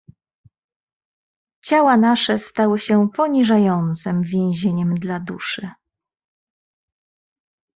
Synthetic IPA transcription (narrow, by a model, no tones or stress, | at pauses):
t͡ɕawanaʂɛst̪awɘɕɛpɔɲiʐajɔnt̪sɛmvʲjɛ̃w̃ʑeɲɛmd̪lad̪ṵʂɘ